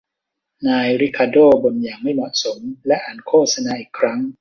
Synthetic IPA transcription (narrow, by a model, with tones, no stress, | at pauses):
naː˧jɾi˦˥kʰaː˧doː˥˩bo˧njaː˨˩ŋma˥˩jmɔ˨˩t̪̚so˩˦mlɛ˦˥ʔaː˨˩nkʰoː˥˩t̪̚sa˧naː˧ʔiː˨˩kʰɾa˦˥ŋ